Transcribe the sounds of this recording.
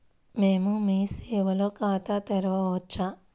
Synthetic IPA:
meːmũmiseːʋɐlokaːt̪at̪ɐɾʋaoːt͡ʃʰa

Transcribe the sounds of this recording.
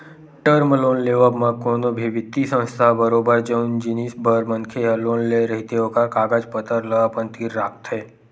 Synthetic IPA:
ʈəɾmloːnleːʋəmãkoːnobʱiʋɪt̪ːisə̃wst̪ʰabəɾoːbəɾd͡ʒəʊnd͡ʒinisbəɾmənkʰeɦloːnleɾəɦit̪eɦokakaːɡad͡ʒpət̪əɾləʋapə̃nt̪kiɾaːk̚t̪ɦɛː

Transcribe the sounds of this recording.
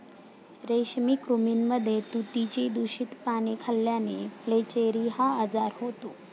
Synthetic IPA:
ɾeɕmiːkɾuminməd̪ʱːjet̪ut̪it͡ɕiːd̪uɕit̪panekʰəljaneflet͡ɕeɾiɦaəd͡zaɾɦot̪o

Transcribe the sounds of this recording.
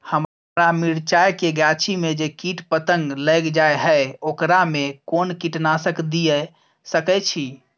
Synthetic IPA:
həm | ɾamiɽt͡ʃajkeɡjat͡ʃʰimed͡ʒekiʈpət̪əŋɡləɡd͡ʒaeɦəokɾamekonkiʈnasəkd̪ijə | səkɛt͡ʃʰi

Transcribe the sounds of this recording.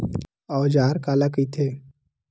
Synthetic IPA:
ɔːd͡ʒaːɾkaːlakit̪ʰeː

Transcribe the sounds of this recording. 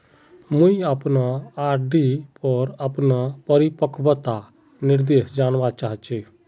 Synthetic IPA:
mʊ̃ĩapnaaːɾɖipɔɾəpnapəɾɪpəkʰbət̪a | nɪɾd̪eːsd͡ʒaːnʋat͡ʃaːɦt͡ʃe

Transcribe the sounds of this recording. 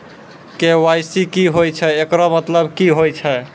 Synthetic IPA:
kewajsikiɦojt͡ʃʰɛekɾɔmət̪ləbkiɦojt͡ʃʰɛ

